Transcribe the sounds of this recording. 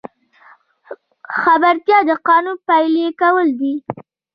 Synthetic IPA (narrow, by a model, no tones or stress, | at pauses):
xabaɾt̪jɑd̪əqɑnupajlekawəld̪i